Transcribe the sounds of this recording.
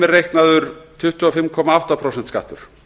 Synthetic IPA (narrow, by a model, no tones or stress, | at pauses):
ɪrejhknaðʏɾ̥t̪ʰʏht̪ʏɔfɪmkʰɔːmaawht̪apʰɾowsɛnt̪ska̰ːt̪ʏɾ̥